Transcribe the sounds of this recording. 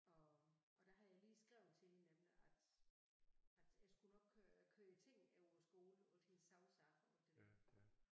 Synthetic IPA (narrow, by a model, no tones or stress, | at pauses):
ɒ̽ʔɒ̽d̥ɑ̈ɦɑ̈jɑ̈ɪliːsɡ̥ʁaʊð̩ˠt͡sʰe̝linemliʔæd̥ | æd̥jɑ̈ɪsɡ̥unɒ̽ɡ̥̚kʰøkʰøɐit͡sʰe̝ŋ̰eʊɒsɡ̥o̝ːləo̥hensɑ̈ʊsɑɡ̥ɔd̥edæ̰ɐ